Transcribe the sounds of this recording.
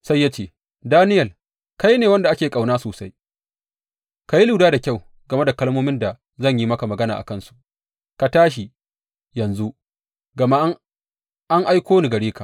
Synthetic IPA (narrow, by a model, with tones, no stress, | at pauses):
sa˦jːa˦t͡ʃeː˦˨ | daː˦nɪ˦jɐ˨l | ka˦jneː˨wɐ˦nda˨ʔa˦kʲeː˨kʼa˨wnaː˦soː˨sa˦j | ka˨ji˦luː˨daː˦da˨kʲa˦˨w | ɡɐ˨me˦da˨kɐ˦lmoː˦mɪ˦nda˨ | zɐ˦˨ɲji˦mɐ˦ka˨mɐ˨ɡɐ˦naː˨ʔa̰˨kɐ˦˨nsu̥˨ʔ | ka˨taː˦ʃ̬i˨ | jɐ˨nzu˦ | ɡɐ˨ma˦ʔ | ʔa˦ŋʔa˦jkʷoː˦ni˨ɡɐ˨ɽiː˦ka˨ʔ